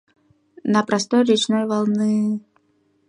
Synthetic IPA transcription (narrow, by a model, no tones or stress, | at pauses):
nəpɾɐst̪ojɾʲɪt͡ɕnojvɐlˠnɨ